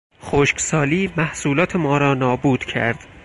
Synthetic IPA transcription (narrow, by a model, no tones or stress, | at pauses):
xoʃksɒːliːmæhsuːlɒːt̪ʰe̞mɒːɾɒːnɒːbuːd̪̥cʰæ̰ɾd̪̥